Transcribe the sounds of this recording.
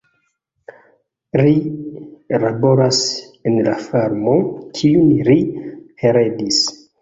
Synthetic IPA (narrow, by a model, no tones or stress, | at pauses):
li | labo̞ɾas | enla̰faɾmokʰiunliheɾedis